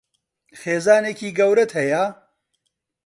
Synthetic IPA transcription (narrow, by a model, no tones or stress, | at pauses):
xeːzaːneːkiːɡɐwɾɐt̪hɐja